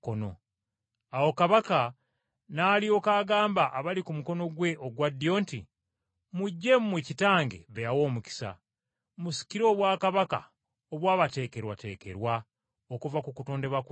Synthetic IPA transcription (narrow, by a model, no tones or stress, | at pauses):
kono̞̰ | awo̞kaβaka | nalio̞kaːɡaːmbaʔaβalikumuko̞no̞ɡwe̞ʔoɡwadːjo̞ːnti | muɟːe̞mmwecitaːŋɡe̞̰βejawo̞ːmuci̥sa̰ | musi̥ciɾo̞ːβwaːkaβaka̰ | oβwaːβate̞ːke̞ɾwa̰te̞̰ːke̞̰ɾwa | okuvakukuto̞ːnde̞βak